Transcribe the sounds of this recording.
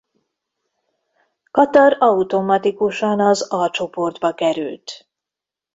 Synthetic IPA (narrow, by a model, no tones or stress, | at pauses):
kɒt̪ɒrɒut̪o̞mɒt̪ikuʃɒnɒzɒt͡ʃo̞pord̪bɒkɛɾy̰lt̪